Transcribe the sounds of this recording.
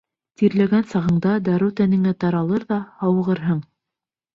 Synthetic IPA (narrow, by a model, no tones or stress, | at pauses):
t̪iɾlæɡænsɑʁɤ̆ɴd̪ɑd̪ɑɾuwt̪ænɘ̆ŋæt̪ɑɾɑlˠɤɾðɑhɑw̆ʁɤ̆ɾɦɤɴ